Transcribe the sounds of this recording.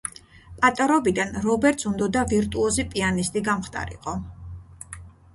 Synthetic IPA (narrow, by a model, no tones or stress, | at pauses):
pʼat̪ʼɔɾɔbid̪anɾɔbɛɾt̪sund̪ɔd̪aviɾt̪ʼuɔzipʼianist̪ʼiɡamχt̪ʼa̰ɾḭqʼɔ